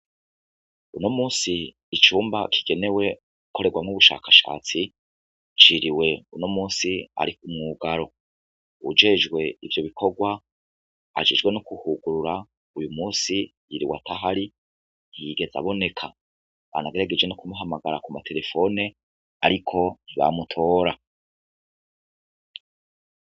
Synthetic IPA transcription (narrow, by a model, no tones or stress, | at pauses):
ṵnomuːsiː | t͡ʃuːmbakʰi̥ɡ̥e̞ne̞we̞ | uko̞ɾe̞ɡwamŋuβuʃa̰ːkʰaʃa̰ːt͡si | t͡ʃiɾiwe̞unomuːnsia̰ɾikumŋuɡaɾo̞ | ṵd͡ʒe̞d͡ʒɡwe̞ivjo̞βikʰo̞ɡwa | a̰ʒid͡ʒɡwe̞nokuhuɡuɾuɾa | ujumuːsijiɾiwa̰tʰaɦaɾi | niɡe̞za̰βo̞ne̞kʰa | βa̰naɡeɾaɡed͡ʒwe̞nokumuɦamaɡaɾakumatʰe̞ɾe̞fo̞ne | aɾikʰo̞niβa̰mutʰo̞ːɾa